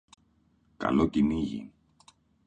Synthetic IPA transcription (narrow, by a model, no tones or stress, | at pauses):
kɐ̰locimiʝḭn